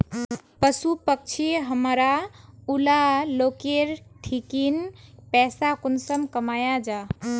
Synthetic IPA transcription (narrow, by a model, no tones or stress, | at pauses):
pəsupək̚t͡ʃʰiɦəmɾaulalokeɾʈʰikinpɛsakunsəmkəmajad͡ʒa